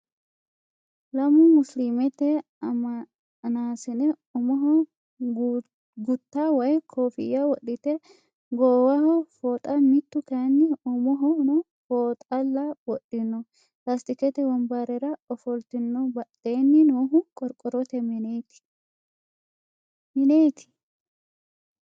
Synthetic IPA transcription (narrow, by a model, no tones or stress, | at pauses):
lɐmʊmʊslimɛt̪ɛ | ɐmɐ | naːsɛnɛ | ɔmɔɦɔ | ɡʊt̪ːawɐjkʰoːfɪ̰jːɐwɔɗɪt̪ɛ | ɡoːwɐhɔfoːt̪ʼɐmɪt̪ːʊkɐnːɪɔmɔɦɔɔ | foːt̪ʼɐlːɐwɔɗɪnːɔ | last̪ɪkɛt̪ɛwɐmbaɾɛɾɐɔfɔlt̪ɪnːɔbɐᶑeːnːɪnoːɦʊkʼɔɾkʼɔɾɔt̪ɛmnet̪ɪ̥ | mɪneːt̪ɪ̥